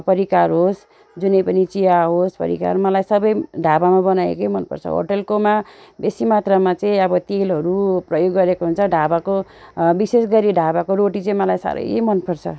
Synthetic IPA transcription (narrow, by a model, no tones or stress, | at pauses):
pʌɾikarɦos | d͡zunʌjpʌnit͡siaɦospʌ̰ɾḭka̰rmʌlajsʌbʌjɖʱabamabʌnajḛkejmʌnpʌ̰rt͡sʰʌ̰ɦo̰ʈʌlkomabesimat̪rʌmat͡sʌĩʌbʌt̪elɦʌɾuprʌjoɡːʌɾekoɦunt͡sʰʌɖʱabako | bisesɡʌɾiɖʱabakoɾoʈit͡sʌ̃ĩmʌlajsa̰ɾʌ̰jḛmʌnpʌrt͡sʰʌ̰